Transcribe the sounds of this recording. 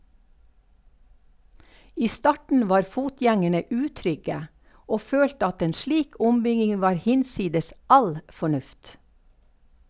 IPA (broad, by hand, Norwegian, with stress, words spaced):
ˈiː ˈstɑʈɳ̩ ˈʋɑːɾ ˈfuːˌtjɛŋəɳə ˈʉːˌtɾʏɡə ˈoː ˈføːltə ˈɑt ˈeːn ˈʃɭiːk ˈʊmˌbʏɡɪŋ ˈʋɑːɾ ˈhɪnˌsiːdəs ˈɑl fɔˈɳʉft